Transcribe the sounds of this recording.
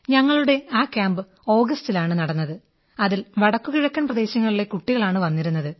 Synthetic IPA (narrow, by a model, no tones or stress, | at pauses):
ɲɐŋːɐɭuɽe̞aːkːjaːmbɨ | o̞ːɡɐstilaːɳɨnɐɽɐnːɐðɨ | ɐðilʋɐɽɐkːuɣiɻɐkʲːɐnprɐd̪e̞ːɕɐŋːɐɭiɭe̞kuʈːiɣɐɭaːɳɨʋɐnːiɾunːɐðɨ